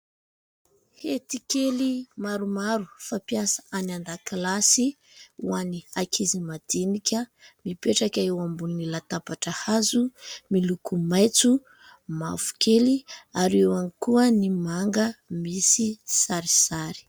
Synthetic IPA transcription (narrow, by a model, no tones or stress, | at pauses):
het̪ikelimaɾumaɾufapiasḁanand̪aklasi | uaniakʰizimad̪̥inikʲəmipeʈ͡ʂakʲaewambuninilat̪apaʈ͡ʂəhazumilukumajt͡su | mafu̥keliaɾewanikuənimaŋɡəmisisaɾisaɾi̥